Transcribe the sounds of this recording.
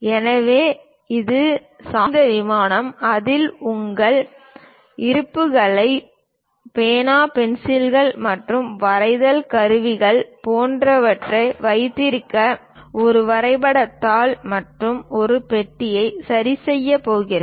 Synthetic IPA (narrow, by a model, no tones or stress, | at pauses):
ɛnɐʋeː | ɪðɯ | saːnd̪ɐʋɪmaːnɐmɐðɪlʊŋɡɐɭ | ʔɪɾɯpːɯɣɐɭɐɪ | peːnaːpɛnsɪlɣɐɭmɐʈrɯmʋɐɾɐɪðɐlkɐɾɯʋɪɣɐɭpoːndrɐʋɐʈrɐɪʋɐɪt̪ːɪɾɯkːɐ | ɔɾɯʋɐɾɐɪbɐɽɐt̪ːaːlmɐʈrɯmɔɾɯpɛʈːɪjɐɪsɐɾɪsɛjːɐpːoːɣɪɾɐ